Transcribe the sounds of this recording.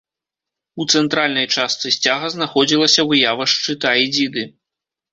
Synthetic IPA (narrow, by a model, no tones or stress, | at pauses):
ut̪sɛnt̪ɾalʲnɐjt͡ʂast̪sɨsʲt͡sʲaɣɐznaxɔd͡zʲilˠɐsʲɐvɨjavɐʂt͡ʂɨt̪aid͡zʲid̪ɨ